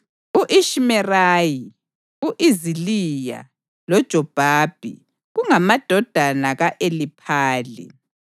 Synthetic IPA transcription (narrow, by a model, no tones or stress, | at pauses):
uʔiʃimɛraːji | uʔizilija̰ | lɔd̥ʒ̥ʱɔb̥ʱaːb̥ʱḭ | ɣuŋamad̥ʱɔd̥ʱanaɣaʔelipʰaːlḭ